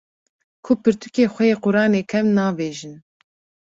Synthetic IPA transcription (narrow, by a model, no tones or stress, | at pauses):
kʰʊpɨɾt̪ʰukʲeːxʷɛjeːqʊɾɑːneːkʰɛmnɑːbeːʒin